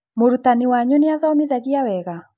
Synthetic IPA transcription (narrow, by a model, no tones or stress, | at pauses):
moɾutaniwaɲoneaðɔmiðaɣiawɛɣa